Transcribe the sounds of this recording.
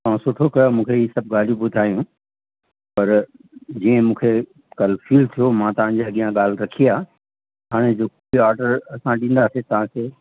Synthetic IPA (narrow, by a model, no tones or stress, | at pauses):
t̪ɐãsʊʈʰokɐjomũːkʰeiːsɐb̚ʱɠaːl̤ijũbʊd̪ʱaːjũ | pɐɾ | d͡ʑiːə̃mũːkʰe | kɐl̤fiːlt̪ʰijomãt̪ɐʋ̤ãɲd͡ʑeɐɠijãɠaːl̤ɾɐkʰiaː | ɦaːɽ̃ed͡ʑoːkoiaːɾɖəɾɐsãɗĩːnd̪aset̪ɐʋ̤ãkʰeː